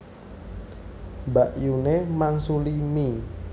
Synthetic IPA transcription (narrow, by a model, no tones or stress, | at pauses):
baʔjunemaŋsulimi